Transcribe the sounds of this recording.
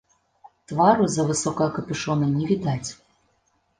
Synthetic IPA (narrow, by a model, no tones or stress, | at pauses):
t̪vaɾʊzɐvɨsɔkɐjɐkɐpʲɨʃɔnɐnʲɛvʲid̪at͡sʲ